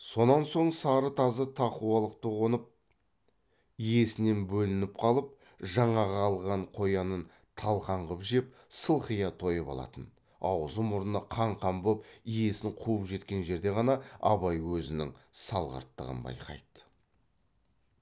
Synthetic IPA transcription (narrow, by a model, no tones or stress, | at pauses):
so̞nɑnso̞ɴsɑɾət̪ʰɑzət̪ʰɑquɑlˠəq̚t̪əʁonəp̚ | ije̞sɪne̞nbɵlɪnɪp̚qʰɑlˠəp̚ | ʒɑɴɑʁɑːlˠʁɑɴqʰo̞jɑnən | t̪ʰɑlˠqʰɑɴʁəpʒep̚ | səlˠχijɑt̪ʰo̞jəpɑ̰lˠɑ̰t̪ən | ɑ̰wəzəmʊɾənɑqʰɑɴqʰɑmbopije̞sɪɴqʰuəpʒe̞t̪kʲe̞nʒe̞ɾd̪e̞ʁɑnɑɑ̰bɑjwɵzɪnɪ̰ŋsɑlˠʁɑ̰ɾt̪ːə̰ʁə̰nbɑ̰jqʰɑ̰jd̪